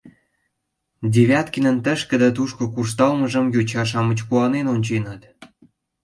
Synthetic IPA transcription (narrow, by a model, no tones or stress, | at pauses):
dʲeβʲɑt̪kənə̆nt̪ə̆ʃkə̆d̪æt̪̬uʃkokurst̪ɑlmə̆ʒə̆mjut͡ɕɑʃɑmə̆t͡ɕkuɑnenonʲt͡ɕenɑt̪